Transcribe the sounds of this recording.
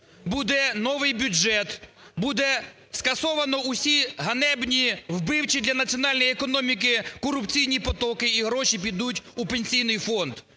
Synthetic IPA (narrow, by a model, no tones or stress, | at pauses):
bud̪ɛnɔʋɪjbʲʊd͡ʒɛt̪ | bud̪ɛ | skɐsɔʋɐnɔʊsʲiɦɐnɛbnʲiwbɪwt͡ʃid̪lʲɐnɐt͡sʲiɔnɑlʲnɔjekɔnɔmʲik̬ɪkɔɾʊpt͡sʲijnʲipɔt̪ɔkɪiɦɾɔʃip̬ʲid̪utʲupenʲsʲijnɪjfɔnd̪